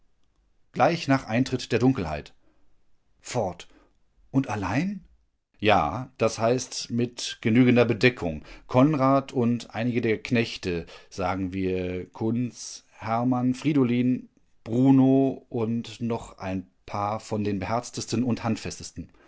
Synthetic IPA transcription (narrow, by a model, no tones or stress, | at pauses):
ɡ̥laɪçnaːχʔaɪntʁ̥ɪtd̥eːɐdʊŋkl̩ha̰ɪt | fɔɐt | ʔʊntalaɪn | ja̰ːd̥ashaɪstmɪtɡ̥ənyːɡəndɐbədɛkʰʊŋkʰɔnʁaːtʰʊntʔa̰ɪnɪɡədeːɐkʰnɛçtəz̥aːɡŋ̩viːɐkʰʊnst͡s | hɛɐmanfʁ̥iːdoliːn | b̥ʁuːnoːʔʊntnɔχʔa̰ɪn | pʰaːɐfɔndeːnbəhɛɐt͡stəstən̩ʊnthantfɛstəstn̩